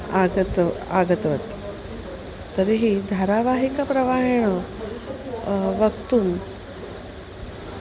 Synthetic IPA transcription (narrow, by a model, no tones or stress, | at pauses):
aɡət̪a̰ɡət̪ʋət̪ | t̪əɾiɦid̪ʱaɾaʋaɦikapɾəʋaɦɳ̃ə | ʋəɡt̪uːn